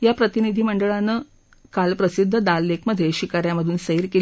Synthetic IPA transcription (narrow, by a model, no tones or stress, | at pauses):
japɾət̪inid̪ʱiːməɳɖəɭanːə | kalpɾəsid̪ʱːəd̪alːekməd̪ʱːeɕikaɾjaməd̪ʱuːnsəiɾke